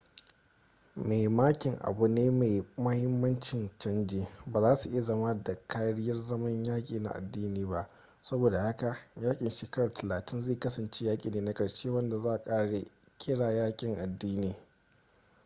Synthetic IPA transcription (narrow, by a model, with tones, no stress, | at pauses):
me˨jmaː˦kʲɪ˨ŋʔa̰˨bu˨neː˦me˨mɐ˦hɪ˦mːɐ˦nt͡ʃɪ˨nt͡ʃɐ˦nd͡ʒeː˨baː˨zaː˦su˨ʔɪ˦ja˨zɐ˦ma˦da˨kʰaː˦ɽɪ˦jɐ˦rzɐ˦mɐ˦ɲjaː˦kʲʼiː˨na̰˨ʔa̰˨dːiː˦niː˦ba˦ʔ | sɐ˦boː˨da˨ha˦ka˨jaː˦kʲʼɪ˨nʃeː˨kɐ˦ɽɐ˨rtɐ˨laː˨tɪ˦nzeː˦˨kɐ˦sɐ˨nt͡ʃe˦jaː˦kʲʼḭː˨neː˦na˦kʼɐ˨ɽʃeː˦wɐ˦nda˨zaː˦ʔa˨kʼaː˦ɽe˨ | kʲʰɪ˦ɽaː˨jaː˦kʲʼɪ˨ŋʔa˨dːiː˦niː˨